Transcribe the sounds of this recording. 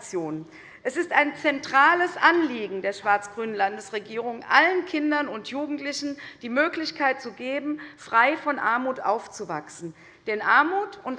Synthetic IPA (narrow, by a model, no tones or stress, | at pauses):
t͡sjoːn | ʔɛsɪstaɪnt͡sɛntʁ̥aːləsʔanliːɡŋ̩deːɐʃv̥aɐt͡sɡ̥ʁyːnənlandəsʁeɡiːʁ̞ʊŋʔa̰lənkʰɪndɐnʊntʰjuːɡŋ̩tlɪçn̩d̥iːmøːklɪçkʰaɪt̚t͡suɡeːbm̩fʁ̥aɪfɔnʔa̰ɐmuːtʔa̰ʊft͡suva̰ksn̩ | d̥ɛnʔaɐmuːtʊnt